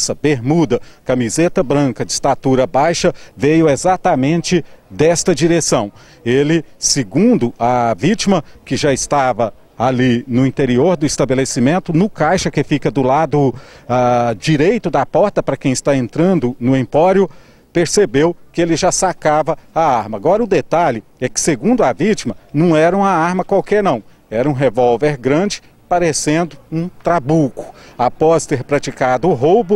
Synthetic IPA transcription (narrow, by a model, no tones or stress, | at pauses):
sɐbeɾmud̪ɐkɐmizet̪ɐbɾɐ̃kɐd͡ʒɪst̪at̪uɾɐbajʃɐvejʊezat̪amẽnt͡ʃɪd̪ɛst̪ɐd͡ʒiɾesɐ̃w̃ | elɪsɪɡũnd̪ʊɐvit͡ʃimɐkɪʒaɪst̪avɐ | alinʊĩt̪eɾioɾd̪ʊist̪ɐbelesimẽnt̪ʊnʊkajʃɐkɪfikɐd̪ʊlad̪ʊ | ad͡ʒiɾejt̪ʊd̪ɐpɔɾt̪ɐpɾɐkẽj̃ɪst̪aẽnt̪ɾɐ̃nd̪ʊnʊĩpɔɾjʊ | peɾsebewkɪelɪʒasakavɐaaɾmɐaɡɔɾɐʊd̪et̪aʎɪ | ɛkɪ̥seɡũnd̪ʊɐvit͡ʃimɐnɐ̃w̃ɛɾɐũmɐaɾmɐkwawkɛɾnɐ̃w̃ | ɛɾɐũɦevɔwveɾɡɾɐ̃d͡ʒɪ̥ | paɾesẽnd̪ʊũt̪ɾabukʊ̥apɔst̪eɾpɾat͡ʃikad̪ʊːɦowbʊ